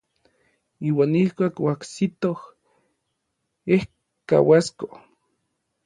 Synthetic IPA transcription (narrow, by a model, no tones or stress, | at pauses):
iːwaːnihkʷaːkwaksit̪oh | eh | ka̰wasko